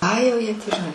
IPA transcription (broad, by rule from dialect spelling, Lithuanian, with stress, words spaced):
ˈɐɪ jɛʊ ˈjiɛ tʲiː ʒʲɪˈnɐɪ